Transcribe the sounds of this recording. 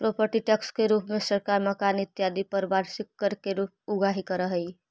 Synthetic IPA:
pɾopəɾʈiʈɛkskeɾuːpmẽsəɾkaːɾməkaːnɪt̪jaːd̪ipəɾbaːɾsɪkːəɾkeɾuːp̚ʊɡaɦikəɾəɦəi

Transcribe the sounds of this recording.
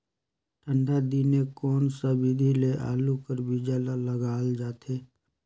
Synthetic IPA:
ʈʰə̃ɳɖʱad̪inekɔːnsabid̪ʱileʔa̰ːlukəɾbid͡ʒaːlaləɡaːld͡ʒaːt̪ʰeː

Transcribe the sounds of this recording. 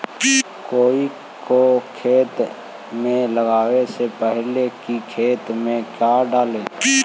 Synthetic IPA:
koːi | kokʰeːt̪ | mẽləɡaːwesepɛɦlekikʰeːt̪mẽkjaːɖaːleː

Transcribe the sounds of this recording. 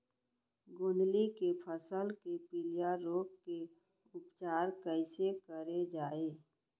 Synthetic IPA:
ɡõːnd̪likepʰəsəlkepɪlijaɾoːkke | ʊpt͡ʃaːɾkəɪsekəɾed͡ʒaːeː

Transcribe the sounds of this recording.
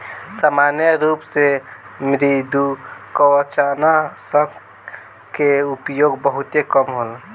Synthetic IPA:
samanjəɾupsemɾid̪ukəwət͡ʃanasəb | keupjoɡbəɦut̪ekəmɦol

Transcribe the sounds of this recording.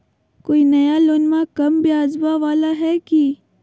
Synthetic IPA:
koːinɐjaloːnmãkɐmbiaːzbaʋaːlaɦɛki

